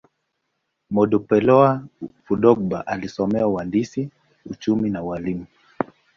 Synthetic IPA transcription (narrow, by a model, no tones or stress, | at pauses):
mɔɗɔpɛlɔafuɗɔɡɓa̰ʔalisɔmɛauwandisi | ut͡ʃuminawalimu